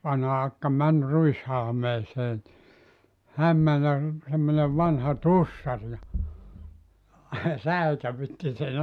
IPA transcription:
ʋɑnhɑ ɑkːɑ mæn ruishɑlmeːseː ni hæm mæn jɑ r semːoneʋ ʋɑnhɑ tusːɑr jɑ sæikæʋytːi sen

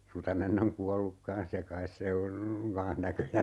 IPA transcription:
rutɑnenː oŋ kuɑlːuk kɑn̞s jɑ kɑis se on kɑ̃ːh nækøjæ

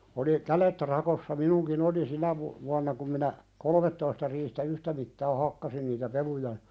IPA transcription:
oli kælet rɑkosːɑ minuŋkin oli sinæ ʋu ʋuɑnːɑ kum minæ kolŏmetːoistɑ riːhtæ yhtæ mitːɑː hɑkːɑsin niːtæ pelujɑ

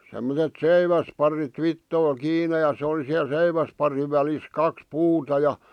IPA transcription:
semːotet seiʋæspɑrit ʋitːoil kiːne jɑ se ol̆i siæl seiʋæspɑriʋ ʋælis kɑks puːtɑ jɑ

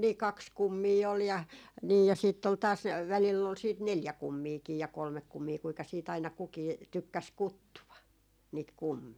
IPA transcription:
niː kɑks kumːiː ol jɑ niː jɑ siːtː ol tɑːs ʋælilː ol siːt neljæ kumːiːkiː jɑ kolmek kumːiː kuikɑ siːt ɑinɑ kukiː tykːæs kutːuʋɑ niːt kumːiː

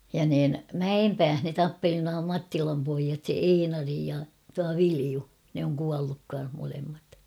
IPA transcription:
jɑ niːn mæempæːh ne tɑpːeli nuɑ mɑtːilɑm poijɑt einɑri jɑ tuɑ ʋiliu ne oŋ kuɑlːuk kɑn̞h molemːɑt

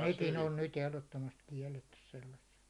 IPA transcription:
nekin on nyt ehlotːomɑst kiɛlːetːys selːɑsːet

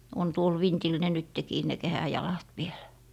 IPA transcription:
on tuol ʋintil ne nytːekiː ne kehæjɑlɑt ʋielæ̥

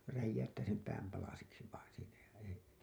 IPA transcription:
ræjːæytːæː sem pæːm pɑlɑsiksi ʋɑin siːnæ jɑ ei

